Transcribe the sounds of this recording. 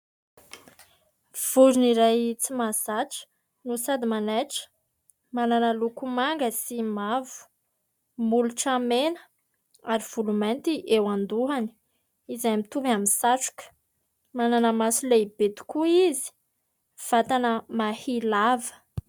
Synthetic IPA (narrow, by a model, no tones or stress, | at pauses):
v̥uɾuniɾajt͡simazaʈ͡ʂə̥ | nusad̪imanaʈ͡ʂə̥ | mananəlukumaŋɡəsimavu̥ | muluʈ͡ʂamenə̥ | aɾiv̥ulument̪iʔewand̪uɦani̥ | izaamit̪uvaminsaʈ͡ʂu̥kə̥ | mananəmasuleibet̪u̥kuizi̥ | v̥at̪anəmahilavə̥